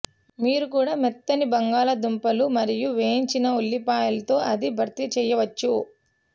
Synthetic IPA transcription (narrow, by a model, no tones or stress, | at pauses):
miːɾukuːɽaːmɛt̪ːɐnibɐŋɡaːlɐd̪umpɐlumɐɾijuʋeːɲt͡ʃinɐulːipaːjɐlɐt̪o̞ːʔɐd̪ibʱɐɾt̪it͡ʃɛːjɐʋɐt͡ʃːu